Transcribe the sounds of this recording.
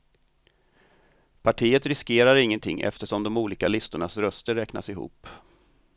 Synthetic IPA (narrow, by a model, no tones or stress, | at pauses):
pʰaʈʰiːət̪ɾɪskeːɾaɾɪŋːənt̪ʰɪ̰ŋːʔɛ̰ft̪əʂɔmd̪ɔmuːliːkalɪst̪ʊɳasɾœst̪əɾɛkna̰sɪɦṵːpː